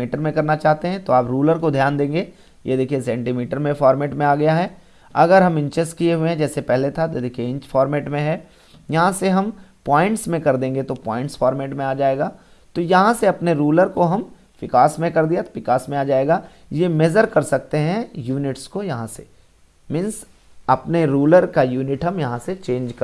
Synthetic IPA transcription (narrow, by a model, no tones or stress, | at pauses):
iːʈəɾmẽkɐɾnat͡ʃaːɦt̪eɦɛ̃t̪oaːpɾuːləɾkod̪ʱjaːnd̪ẽːŋɡe | jʔed̪eːkʰiesɛ̃ːɳʈimiːʈəɾmẽfaːɾmɛːʈmẽaːɡɐjaɦɛː | ɐɡəɾɦɐmɪ̃ɲt͡ʃɛsʈkieɦuẽɦɛ̃d͡ʒɛːsepɛɦlet̪ʰat̪od̪eːkʰieɪ̃ɲt͡ʃfɔːɾmɛːʈmẽɦɛː | jɐɦãseɦɐmpaːɪ̃ɳʈsmẽkɐɾd̪ẽːŋɡet̪opɔ̰ːɪ̃ɳʈsfaːɾmeːʈmẽaːd͡ʒaːeːɡaː | t̪ojɐɦãseɐpneɾuːləɾkoɦɐm | ʋɪkaːsmẽkɐɾd̪ijat̪ʋɪkaːsmẽaːd͡ʒaːeːɡaː | jemed͡ʒəɾkɐɾsɐk̚t̪eɦɛ̃juːnɪʈskojɐɦãsḛ | mɪ̃ns | ɐpneɾuːləɾkajuːnɪʈɦɐmjɐɦãset͡ʃẽːnd͡ʒkɐ